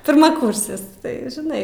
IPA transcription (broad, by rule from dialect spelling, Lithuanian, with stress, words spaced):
pʲɪrmɐˈkʊrʲsʲɪs ˈtɐɪ ʒʲɪˈnɐɪ